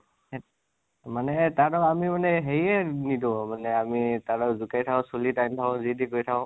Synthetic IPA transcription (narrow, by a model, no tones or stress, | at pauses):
manɛtadɔamimanɛɦejɛnidʊ̃manɛamitaɹɔzukajtʰaɔ̃solitajmtʰaʊ̃zidikojtʰaʊ̃